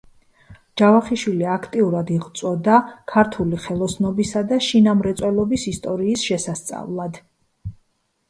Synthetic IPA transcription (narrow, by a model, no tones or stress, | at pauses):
d͡ʒ̥avaχiʃwiliakʰt̪ʼiuɾad̪iʁt̪sʼwɔd̪akʰaɾt̪ʰuliχɛlˠɔsnɔbisad̪aʃinamɾɛt̪sʼwɛlˠɔbisist̪ʼɔɾiːsʃɛsast̪sʼa̰vlˠad̪